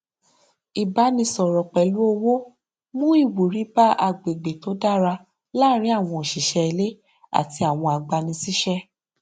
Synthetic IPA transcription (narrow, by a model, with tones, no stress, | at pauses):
i˨ba˨˦nĩ˧sɔ˨ɾɔ˨k͡pɛ˨lu˨˦o˧wo˦ | mũ˦i˦˨wu˨ɾi˨˦ba˦a˧ɡ͡be˨ɡ͡be˨to˨˦da˦˨ɾa˧ | la˦ɾ̃ĩ˦a˦˨w̃ɔ̃˧˨ʃi˨ʃɛ˧i˧le˦ | a̰˦˨ti˧a˨w̃ɔ̃˧a˨ɡ͡ba˧nĩ˧si˦ʃɛ˦